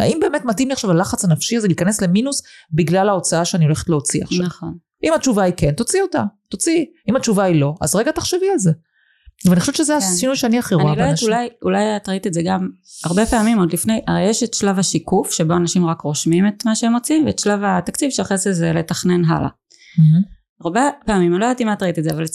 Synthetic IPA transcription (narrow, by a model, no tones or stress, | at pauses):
a̰imbe̞metmatimliaχʃavalaχat͡sanafʃiazeliːkanesle̞minusbiɡlalao̞t͡saaʃeanio̞leχet̪leot͡sia̰χʃnaaχo̞n | ʔimat͡ʃuvaike̞nt̪o̞t͡siota̰t̪ot͡si | imat͡ʃuvailo̞ʔa̰zʁeɡataχʃevialze | veanixoʃevt͡ʃʃezeaʃinujʃeaniaχiʁaualoeadulajulajatʁait̪iezeɡam | aʁbe̞peamimodlifne̞jʔaʁejeʃetʃlavhaʃikufʃe̞bo̞anaʃimʁakʁo̞ʃmime̞t̪maʃeemo̞t͡simveetʃlavat̪akt͡sivʃeaχesezele̞taχne̞nɦa̰la̰ | aʁbepeamimanlojdatimaatʁait̪idzeaval